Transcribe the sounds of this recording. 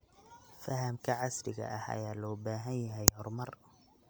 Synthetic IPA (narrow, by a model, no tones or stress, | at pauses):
fɐɦɐmkʰɐʕɑslɪɣɐ̰ʔɐhɐ̰jaːlɔːbaːɦɐnjɐɦɛjhɔrmɐr